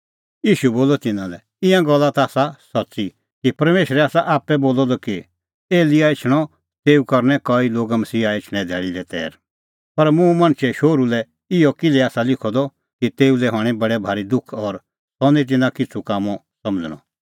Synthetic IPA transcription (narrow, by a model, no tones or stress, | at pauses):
jiːʃuboːlɔt̪ɪnãlɛ | ɪ̃jãɡɔlːat̪aːsasɐtːsi | kipɐɾmeːʃəɾɛaːsaʔaːpːɛboːlɔd̪ɔki | eːlɪjaɪt͡ʃʰɽ̃ɔ | t̪eːukɐɾnɛkɔiloːɡamɐsiːaɪt͡ʃʰɽ̃ɛ̃d̪ʱɛːɭilɛt̪ɛ̰ːɾ | pɐɾmũmɐ̃ɽ̃t͡ʃʰɛʃoːɾulɛ | ɪjɔkɪlɛaːsalɪkʰɔd̪ɔ | kit̪eːulɛɦaːɽ̃ɛ̃bɐɽɛbʱaːɾid̪ʊkʰɔːɾ | sɔnĩt̪̬ɪnãkɪt͡sʰukaːmɔ | sɐ̃məd͡zəɽ̃ɔ̰̃